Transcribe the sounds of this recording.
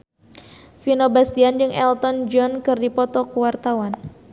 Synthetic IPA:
finobast̪iand͡ʒɨŋɛlt̪ɔnd͡ʒɔnkɨrdipɔt̪ɔkəwart̪awan

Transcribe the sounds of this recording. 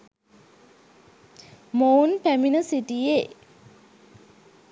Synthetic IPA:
moːnpæminəsiʈije

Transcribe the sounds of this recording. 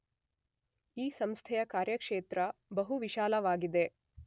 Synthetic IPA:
iːsɐmst̪ʰɛjɐkaːɾjɐkʂeːt̪ɾɐbɐɦuʋiʃaːlɐʋaːɡid̪e̞

